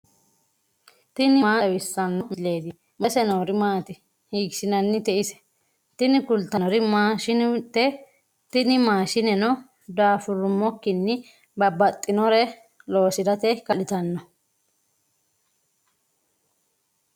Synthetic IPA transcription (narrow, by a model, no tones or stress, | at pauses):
t̪ɪnɪmaːwɪsːɐnːɔmɪle̞ːd̪ɪ | mɐsɛnɐɾɪmaːt̪ɪ | hiːkʃɪnɐnːɪt̪ɛʔɪsɛ̥ | t̪ɪnɪkʊlt̪ːɐnɔɾɪmaːʃɪnt̪ɛ | t̪ɪnɪmaːʃɪnɛnɔ | d̪aːfʊɾʊmːɔkːɪnːɪ | bɐbːɐt̪ʼːɪnɔɾɛ | lo̞ːsɪd̪ɐt̪ɛkɐlɪt̪ɐnːɔ